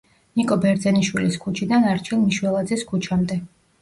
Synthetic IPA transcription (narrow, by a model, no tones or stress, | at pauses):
nikʼɔbɛɾd̪zɛniʃwiliskʰut͡ʃʰid̪anaɾt͡ʃʰɛlˠmiʃwɛlˠad̪zɛskʰut͡ʃʰamd̪ɛ